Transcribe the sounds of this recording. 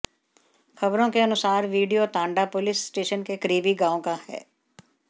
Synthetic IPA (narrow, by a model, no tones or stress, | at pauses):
kʰəbɾõːkeənʊsaːɾʋiːɖijoːt̪ãːɳɖaːpʊlɪssʈeːʃənkeːkəɾiːbiːɡãːõːkaːhɛ̰ː